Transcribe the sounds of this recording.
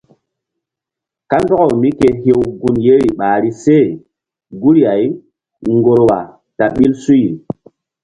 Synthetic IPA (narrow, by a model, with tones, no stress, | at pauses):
ka˦ndɔ˦ɣɔ˨wmi˦ke˨ɦe˦wɡu˨nje˦ɾi˨ɓaː˨ɾi˦se˦˨ | ɡu˦ɾi˦ja˨j | ŋɡo˨ɾwa̰˨ | ta˨ɓi˦lsu˦ji˨